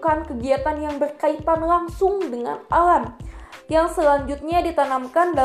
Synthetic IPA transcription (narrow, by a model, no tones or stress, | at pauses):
kankəɡiat̪anjaŋbərkait̪anlaŋsʊŋdəŋa̰nalamjaŋsəlaɲd͡ʒut̪̚ɲadit̪anamkanda